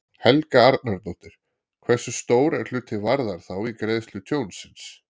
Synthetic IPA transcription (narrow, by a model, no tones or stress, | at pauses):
hɛlkaaɾt̪̚naɾt̪owht̪ɪɾ̥ | kʰvɛ̥sːʏst̪oːwɾɛɾ̥l̥ʏːt̪ʰɪvaɾðaɾ̥θawikɾeːjðst̪lʏt̪ʰjoːwnsːɪns